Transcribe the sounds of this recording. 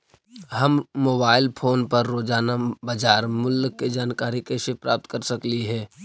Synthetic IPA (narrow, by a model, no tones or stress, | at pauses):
ɦɐmːoːbaːɪlpʰoːnpɐɾːoːd͡ʒaːnabɐd͡ʒaːɾmʊləkːed͡ʒaːnkaːɾikesepɾaːp̚t̪kəɾsɐkliɦɛː